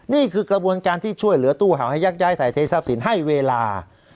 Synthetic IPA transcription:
niː˥˩kʰɯː˧kɾa˧bu˧ənkaː˧nt̪ʰiː˥˩t͡ɕʰu˥˩əjlɯ˨˩˦ɐt̪uː˥˩ɦa˨˩wha˥˩jaː˦˥˩k̚jaː˦˥˩jt̪ʰaː˨˩jt̪ʰeː˧˥sa˦˥p̚si˩˦nɦa˥˩jweː˧laː˧

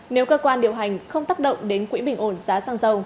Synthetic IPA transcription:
ne˨˦wkəː˧kwaː˧nɗi˨˩əwɦa˨˩jŋ̟xə˧wŋ͡mt̪aː˦˥k̚ɗə̰˧˨ŋ͡mɗe˨˦nkwḭ˧˥ɓï˨˩ŋ̟ʔo˧˩nzaː˨˦saː˧ŋzə˧w

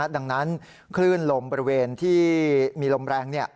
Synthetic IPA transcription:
da˧ŋna˦˥n | kʰlɯ˥˩nlo˧mbɔː˧ɾi˦˧weː˧nt̪ʰiː˥˩miː˧lo˧mɾɛː˧ŋni˥˩ɐ

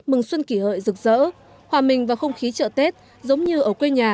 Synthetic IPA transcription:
mɨ˨˩ŋswə˧nki˧˩hə̰ː˧˨jzɨ˨˩k̚zə̰ː˧˥ | hwaː˨˩mï˨˩ŋ̟vaː˨˩xə˧wŋ͡mxi˨˦t͡ɕə̰ː˧˨t̪e˦˥t̚ | zə˨˦wŋ͡mɲɨ˧ʔəː˧˩kwe˧ɲaː˨˩

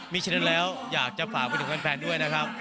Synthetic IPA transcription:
miː˧t͡ɕʰa˧ne˧˥˩nlɛː˦˥wjaː˨˩k̚t͡ɕa˨˩faː˨˩k̚pa˧nt̪ʰːŋka˧npʰɛː˧ndu˥˩əjna˦˥kʰa˦˥p̚

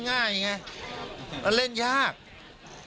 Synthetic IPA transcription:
ŋaː˥˩ja˧˩ŋa˧˥j | ma˧le˧˥˩nt͡ɕʰaː˥˩k̚

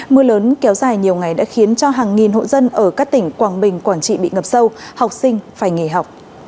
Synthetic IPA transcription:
mɨ˧ələː˨˦nkɛ˨˦wzaː˨˩jɲi˨˩əwŋa˨˩jɗa̰ː˧˥xi˨˦ənt͡ɕɔ˧ɦaː˨˩ŋːi˨˩nɦo̰˧˨zə˧nʔəː˧˩kaː˦˥k̚t̪ï˧˩ŋ̟kwaː˧˩ŋɓï˨˩ŋ̟kwaː˧˩ŋt͡ɕḭ˧˨ɓḭ˧˨ŋə˨˩p̚sə˧wha˨˩wk͡p̚sï˧ŋ̟faː˧˩jŋe˧˩ɦa˨˩wk͡p̚

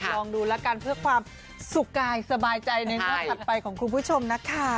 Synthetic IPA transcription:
lɔː˧ŋduː˧lɛ˦˥ka˧npʰɯ˥˩ɐkʰwaː˧m | su˨˩kːaː˧jsa˧baː˧jt͡ɕa˧jna˧jaː˥˩a˨˩t̪̚pa˧jkʰɔː˩˦ŋkʰu˧npʰu˦˥t͡ɕʰo˧mna˦˥kʰa˦˥˩

